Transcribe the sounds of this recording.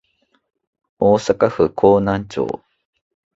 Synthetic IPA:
oːsakaɸɯ̟kʰoːnãɲt͡ɕo̰ː

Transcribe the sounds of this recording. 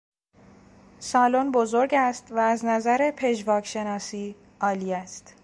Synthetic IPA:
sɒːlonbozoɾɟæst̪væːznæzæɾepʰe̞ʒvɒːkʃe̞nɒːsiː | ɒːliːæst̪

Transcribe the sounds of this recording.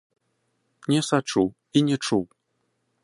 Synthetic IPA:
nʲɛsat͡ʂu | inʲɛt͡ʂuw

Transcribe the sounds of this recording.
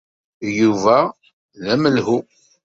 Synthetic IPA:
juvæ | læməlɦu

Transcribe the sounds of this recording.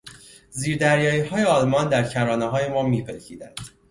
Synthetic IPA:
ziːɾd̪æɾjɒːjiːhɒːjeɒːlmɒnd̪æɾcʰæɾɒːneɦɒːjemɒːmiːpʰelcʰḭːd̪ænd̪̥

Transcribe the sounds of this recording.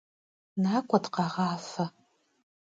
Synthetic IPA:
naːkʷʼɔdqɑʁɑːfɐ

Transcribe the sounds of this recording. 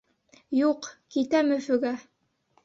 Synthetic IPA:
juqkit̪æmɵ̆fɵ̆ɡæ

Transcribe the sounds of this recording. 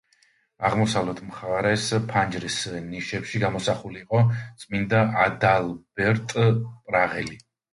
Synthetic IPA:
aʁmɔsavlɛt̪ʰmχaɾɛspʰand͡ʒɾisniʃɛpʃiɡamɔsaχuliːqʼɔt̪sʼmind̪aʔad̪alˠb̥ɛɾt̪ʼpʼɾaʁɛli

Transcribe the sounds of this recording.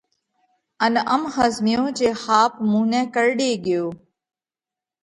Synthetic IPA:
ənəmɦəzmɪjõːd͡ʒeːxaːp̚mũːnɛ̃ːkəɾɗeːɠɪjoː

